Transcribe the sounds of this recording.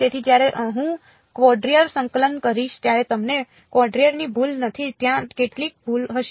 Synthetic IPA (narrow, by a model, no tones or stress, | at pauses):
t̪et̪ʰid͡ʒjaɾeʔɦũ | kʋɔɖɾiəɾsəŋkələnkəɾiʃt̪jaɾet̪əmne | kʋɔɖɾijəɾnibʱulnət̪ʰit̪jãkeʈlik̚bʱulɦəʃ